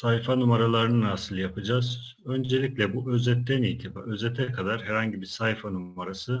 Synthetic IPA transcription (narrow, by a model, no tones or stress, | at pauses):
sajfanumaɾalˠaɾɯnɯnaːsɯlˠjapʰɯd͡ʒaz | ø̞nd͡ʒelʲiclʲɛbuʔø̞zɛt̪ːænijt̪ʰiba̰øzɛt̪ʰɛkʰad̪aɾɦɛɾhaɲɟibiɾsajfanuaɾasɯ